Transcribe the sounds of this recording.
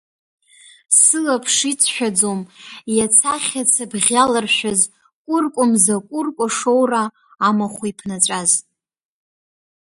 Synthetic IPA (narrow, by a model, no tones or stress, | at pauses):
sɨlapʰʂit͡sʰʃᶣad͡zomjat͡sʰaχʲat͡sʰabʁʲalɨrʃʷᶣaz | kʷʼʊrkʷʼʊmzakʷʼʊrkʷʼaʂo̞wraː | maχʷipʰnat͡ʃʷʼaz